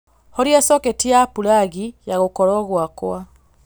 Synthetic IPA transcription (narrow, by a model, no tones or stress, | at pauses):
hɔɾjɛsɔketiapulaɣijaɣokɔɾɔɣwakwa